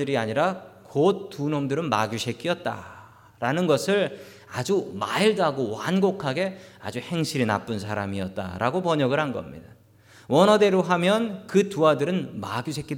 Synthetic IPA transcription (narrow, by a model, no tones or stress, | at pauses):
ɯɾiaɲiɾakot̚t͈ːunomdɯɾɯnma̰ɡjuɕʰe̞k͈iʌt̚t͈a̰ | ɾanɯnɡʌsʰɯɭ | ad͡ʑumaiɭdaɡowanɡokʰaɡe̞a̰d͡ʑuhe̞ŋɕʰiɾina̰p͈unsʰaɾa̰miʌt̚t͈a̰ɾaɡopʌɲʌɡɯɭhanɡʌ̰mɲḭda | wʌnʌde̞ɾoɦamjʌnkɯtuadɯɾɯnmaɡjuɕʰek͈ʰi